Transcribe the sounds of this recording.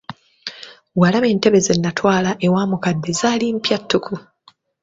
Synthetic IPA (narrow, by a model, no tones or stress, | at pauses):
walaβe̞ːnte̞βe̞ze̞nːatwaːlaʔe̞waːmukadːe̞zaːlimpjatːukʰu